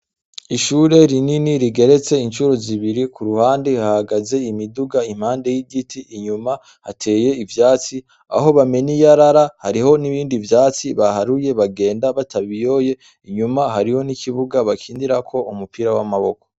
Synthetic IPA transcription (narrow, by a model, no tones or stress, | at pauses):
iʃuːɾe̞ɾininiɾiɡe̞ɾe̞t͡se̞inʃuɾoziβiɾikʰuɾuhaːndehahaɡaze̞imiduɡaim̥haːnde̞jiɟitʰiʔːɲuma | hatʰe̞ːje̞ivjaːt͡si | a̰ɦo̞βame̞nijaɾaɾahaɾiho̞niβiːndivjaːt͡siβaɦaɾuje̞βaɡe̞ːndaβataβijo̞je̞ | iɲumaɦaɾiho̞nikʰiβuɡaβakʰiːndiɾakʰo̞umupiɾawamaβo̞ko̞̥